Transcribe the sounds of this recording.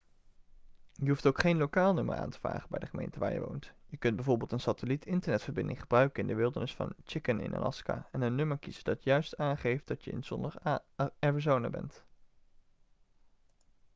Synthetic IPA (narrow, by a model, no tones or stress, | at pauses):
jəɦuftowkχejnlowkaːlˠnømə̰ɹʔa̰ːntə̥va̰ːχənbɛ̰jdəχəmḛjntəʋa̰ːɹjə̰ʋo̰wntjəkɵnd̚bɛjvoːɹbɪːlˠtənsatəlitɪntəɹnɛtfəɹbɪndɪŋχəbrœɥkənɪndəʋɪlˠdəɹnɪsfɑ̰nt͡ʃɪkənɪ̰nʔa̰lɑ̰ska̰ɛnənːɵməɹkizədɑtjœɥstaːnχejftdɑtjəɪ̰nsɔndəɹɛɹəzownabɛ̰nt